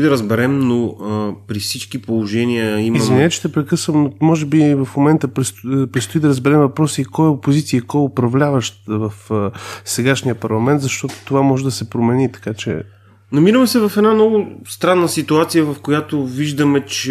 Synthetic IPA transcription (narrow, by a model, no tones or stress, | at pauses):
d̪ɐɾəzbɛɾɛmnopɾifsit͡ʃkipolˠoʒɛniəimizvinɛt͡ʃɛ̥t̪ɛpɾɛkɤsvəmnomɔʒɛbivɐfmomɛnt̪əpɾɛspɾɛt̪st̪ʊid̪ɐɾəzbɛɾɛmvɐpɾɔsikɔjəopozit̪siəikɔjʊpɾɐvlʲavəʃt̪vɐfsɛɡaʃnijəpɐɾlˠɐmɛnt̪zɐʃt̪ɔt̪o̥t̪ovamɔʒɛd̪ɐsɛpɾomɛnit̪ɐ̥kat͡ʃɛ̰ | nɐmiɾəmɛsɛvɐfɛd̪nanɔɡʊst̪ɾanːəsit̪uat̪sijəvɐfkojat̪oviʒd̪əmɛt͡ʃɛ